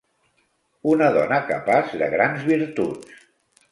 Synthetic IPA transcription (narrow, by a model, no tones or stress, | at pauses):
unəðɔnəkəpazðə̰ɣɾanzβiɾt̪us